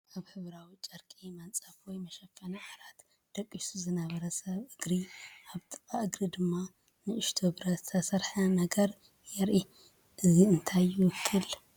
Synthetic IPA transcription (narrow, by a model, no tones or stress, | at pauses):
ʔaβhɨβɾawit͡ʃʼɐɾkʼimɐnt͡sʼafwɔjmɐʃɐfːɐnɐʔaɾat̪ | d̪̥ɐkʼːisuzɨnɐβɐɾɐsɐβʔɨɡɾiʔaβt̪ʼɨ̥kʼaʔɨɡɾid̪ɨmːa | nɨʔɨʃt̪ʰobɾɐt̪zt̪ʰɐsɐɾħɐnɐɡɐɾ | jɛɾʔi | ʔɨziɨnt̪ʰajːuwʊkʰːɨl